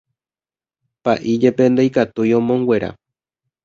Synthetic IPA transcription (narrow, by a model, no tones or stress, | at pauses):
paʔid͡ʒe̞pe̞nd̪ejkat̪ujõ̞mõ̞ŋɡwe̞ɾa̰